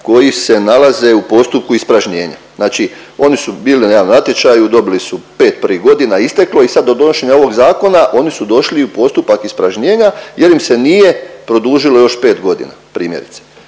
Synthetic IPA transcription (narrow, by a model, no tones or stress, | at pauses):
ko̞jise̞nalaze̞upo̞st̪up̚kuispɾaʒɲe̞ːɲa̰znaːt͡ʃi | o̞nisubiːlinjaːnonat̪jet͡ʃajud̪o̞bilisupe̞ːt̪̚prʋiɡo̞d̪inaist̪eklo̞isad̪ːo̞d̪o̞noʃe̞ɲao̞ʋo̞ɡzaːko̞naʔo̞nisud̪o̞ʃliupo̞st̪upakispɾaʒɲeːɲaje̞ɾimse̞nije̞pɾo̞d̪uːʒilo̞jo̞ʃpe̞ːt̪ɡo̞d̪ḭna̰pɾiːmjeɾit̪se̥